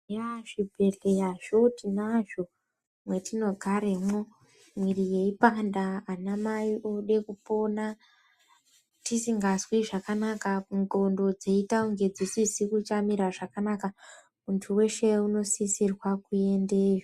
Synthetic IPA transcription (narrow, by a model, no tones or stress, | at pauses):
jaʐibʱe̞ɮe̞jaʐo̞tinaʒo̞ | mwe̞tino̞ɡʱaɾemo | mwirije̞ipandaːnamaiʔo̞ɗe̞kupo̞na | tisiŋɡazwiʐakanakauŋɡo̞ndo̞d͡zeitauŋɡe̞d͡zisisikut͡ʃamiɾaʐakanaka | muntʰuwe̞ʃeuno̞sisirwakue̞ndeʒo